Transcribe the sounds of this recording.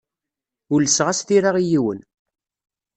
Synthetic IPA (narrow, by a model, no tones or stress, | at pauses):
ʊlːəsʁasθiɾaʁijiwə̰n